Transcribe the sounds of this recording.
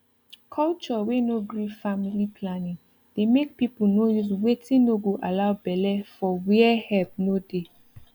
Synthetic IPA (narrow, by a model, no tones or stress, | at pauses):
kʰɔlt͡ʃɔwenoɡɹifamilipʰlanĩŋ | d̥emek̚pipunojuzwetʰĩnoɡoʔalaʊbɛlɛfɔwiɛhɛlp̚node